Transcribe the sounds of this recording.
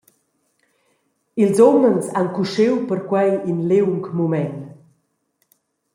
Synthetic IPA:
ilzɔmənzankuʃewpəɾkwajinlewŋkmumɛn

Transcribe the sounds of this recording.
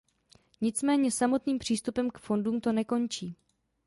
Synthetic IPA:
ɲɪt͡smɛːɲɛsamo̞t̪niːmpr̝̥iːst̪upɛmkfo̞nduːmt̪o̞nɛko̞nt͡ʃiː

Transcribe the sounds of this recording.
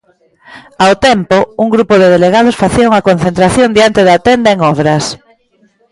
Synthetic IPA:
awt̪ɛmpouŋɡɾupoðeðeleɣað̞ʊsfaθiauŋɐkon̟θẽnt̪ɾaθjond̪jant̪eðat̪end̪aeŋɔβɾɐs

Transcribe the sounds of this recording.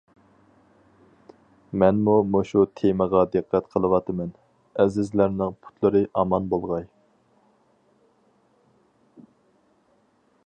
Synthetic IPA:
mɛnmumoʃut̪ʰeməʁɑd̪ɨqʰːæt̪qʰəlˠɨwɑt̪ʰɨmɛn | ɛzɪzlæɾnɪŋpʰu̥t̪ʰlˠɨɾɨʔɑmɑnbolˠʁɑj

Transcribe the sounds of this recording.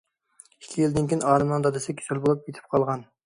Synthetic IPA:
ikʲʰːijild̪ɪnkʲinɑːɾɨmnɨŋd̪ɑd̪ɨsɪkʲʰy̥sʰylbolˠup̚jet̪ʰɪ̥p̚qʰɑlˠʁɑn

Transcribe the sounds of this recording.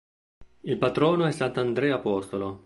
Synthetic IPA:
ilpat̪ɾɔːnoɛsːant̪and̪ɾɛːapɔst̪olo

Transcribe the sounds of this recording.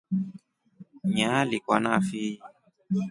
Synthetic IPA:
ɲalikwanafi

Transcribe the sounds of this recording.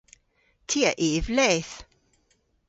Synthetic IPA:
tʰiːaʔeːvlɛːθ

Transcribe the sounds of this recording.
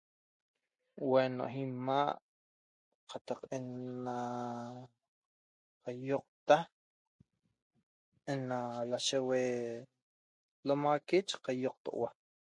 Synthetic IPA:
weno̰ʔɦimaːʔ | qʰat̪aqʔenːa | qajoq̚t̪ah | enːalaʃewe | lomakit͡ʃqajoq̚t̪o̰ʔwa

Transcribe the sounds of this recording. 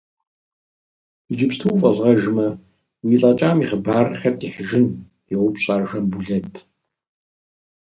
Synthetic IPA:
id͡ʒɪpstʰuwfʼɐɮʁɐʒmɐ | wiːɬʼaːt͡ʃʼaːmiːχəbaːrxɐtʰʼiħəʒɪn | jɪwʷʊpɕʼaːrʒɐmbuɮɐtʰ

